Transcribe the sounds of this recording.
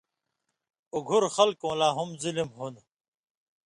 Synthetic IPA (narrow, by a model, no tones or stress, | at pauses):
uɡʱuɾxɐlkõːlaːɦumzilimɦun